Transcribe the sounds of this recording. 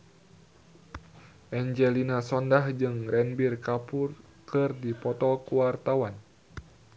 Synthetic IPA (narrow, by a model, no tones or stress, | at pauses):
ʔɛɲd͡ʒɛlinasɔndahd͡ʒɨŋrɛnbirkapʊr | kɨrdipɔt̪ɔkuwart̪awan